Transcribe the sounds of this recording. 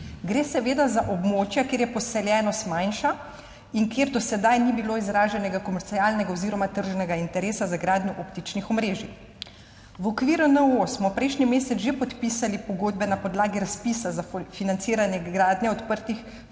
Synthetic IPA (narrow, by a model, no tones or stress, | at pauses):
ɡɾeːsɛʋeːd̪azaʔobmoːt͡ʃjakeːɾjɛpɔsɛljɛːnɔsmajnʃa | iŋkeːɾd̪ɔsɛd̪ajnibiloːizɾaːʒɛnɛɡakɔmɛɾt̪siaːlnɛɡaoziːɾɔmat̪əɾʒnɛɡaint̪ɛɾeːsazaɡɾaːd̪nʲjuʔɔpt̪it͡ʃnixɔmɾeːʒi | ʋɔkʋiːɾunəosmɔpɾɛjʃnimeːsɛt̪ʒepɔt̪piːsalipɔɡoːd̪bɛnapɔd̪laːɡiɾaspiːsazafinant̪siːɾanjɛɡɾaːd̪nʲɛɔt̪pəɾt̪ix